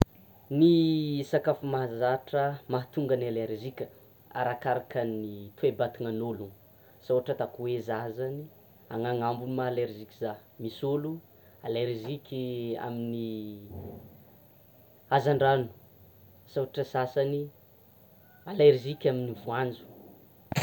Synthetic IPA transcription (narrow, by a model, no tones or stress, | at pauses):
nisakafumaɦazaʈ͡ʂəmaɦat̪uŋɡənaleɾikʲə̥ | a̰ɾakaɾakənit̪uebat̪inanoluŋ | sawaʈ͡ʂət̪akuwezazani | a̰ŋaŋambunumaleɾʒikizamisolu | aleɾzikʲia̰mini | azaɳɖ͡ʐanu̥ | sawaʈ͡ʂəsasani | aleɾizikʲaminivuand͡zu̥